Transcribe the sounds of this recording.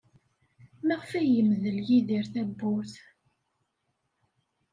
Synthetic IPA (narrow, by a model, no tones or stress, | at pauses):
mæʁfæjəmðəljiðiɾθæbːʊɾθ